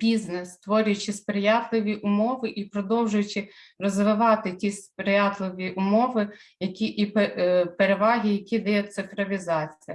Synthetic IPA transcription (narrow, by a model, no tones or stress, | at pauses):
b̥ʲiznest̪ʋɔɾʲʊjʊt͡ʃɪspɾɪjɑt̪lˠɪʋʲiʔʊmɔʋɪʔipɾɔd̪ɔwʒʊjʊt͡ʃɪ | rɔzʋɪʋɑt̪ɪtʲispɾɪjɑt̪lˠɪʋʲiʔʊmɔʋɪjɐkʲiʔippeɾeʋɑɦʲijɐkʲid̪ɛjɛt̪sɪfɾɔʋʲizɑt͡sʲijɐ